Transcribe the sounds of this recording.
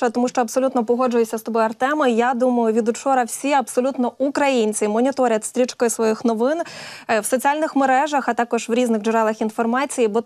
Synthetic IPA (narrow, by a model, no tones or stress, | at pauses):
ɐt̪ɔmuʃt͡ʃɔɐbsɔlʲut̪nɔpɔɦɔd͡ʒʊjʊsʲɐst̪ɔbɔjɐrt̪ɛmɪjad̪umɐjʊʋʲid̪ʊt͡ʃɔɾɐwsʲiɐbsɔlʲut̪nɔukɾɐjinʲt͡sʲimɔnʲit̪ɔɾʲɐt̪ʲst̪ɾʲit͡ʃkɔjʊsʋɔjixnɔʋɪnwsɔt͡sʲialʲnɪxmeɾɛʒɐxɐt̪ɑkɔʒʋɾʲiznɪɣd͡ʒʊɾɛlˠɐxinfɔrmɑt͡sʲijibɔ